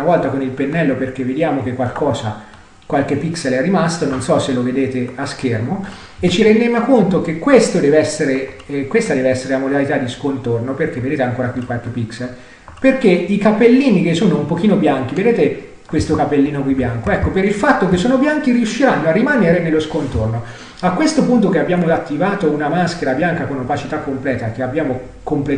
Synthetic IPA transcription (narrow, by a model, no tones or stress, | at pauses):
avɔlt̪akonilpenːɛlːoperk̟evːed̪jaːmok̟ekːwalkɔːza̰ | kwalk̟epːikselɛrːimast̪ononsɔselːoved̪eːt̪eask̟ermo | et͡ʃːiɾend̪emakont̪okekːwest̪od̪ɛːveɛsːeɾekwest̪ad̪ɛːveɛsːeɾelamod̪alit̪ad̪ːiskont̪ornoperk̟eved̪eːt̪eaŋkoːɾakwikːwalk̟epːiksel | perkeikapelːiːnik̟esːoːnoumpok̟iːnobjaŋk̟ived̪eːt̪e | kwest̪okapelːiːnokwibjaŋkoɛkːopeɾilfat̪ːokesːoːnobjaŋk̟iɾiuʃːiɾanːoarːimaneɾenelːoskont̪orno | akːwest̪opunt̪okeabjaːmoat̪ːivaːt̪ounamask̟eɾabjaŋkakonapat͡ʃit̪akːomplɛːt̪ak̟eabjaːmo | komple